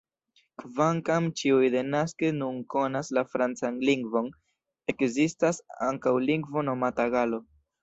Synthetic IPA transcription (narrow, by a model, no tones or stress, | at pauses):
kvaŋkamt͡ʃiujde̞naskenunko̞naslafɾant͡sanliŋɡvo̞n | e̞kzistasa̰ŋkawliŋɡvo̞no̞mataɡalo̞